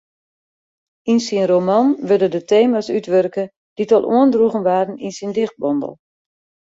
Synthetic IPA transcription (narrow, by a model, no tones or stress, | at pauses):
insinromanʋødədətʰeːmasytʋørkə | d̥itɔlˠʔṵəndruɣənʋaːrən̩insindɪχt̚bɔndə̰lˠ